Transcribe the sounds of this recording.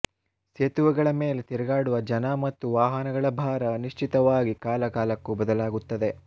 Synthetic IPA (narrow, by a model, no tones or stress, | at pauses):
seːt̪uʋɐɡɐɭɐme̞ːlet̪iɾɐɡaːɽuʋɐd͡ʒɐnɐmɐt̪ːuʋaːɦɐnɐɡɐɭɐbʱaːɾɐniʂt͡ʃit̪ɐʋaːɡikaːlɐkaːlɐkːubɐd̪ɐlaːɡut̪ːɐd̪e̞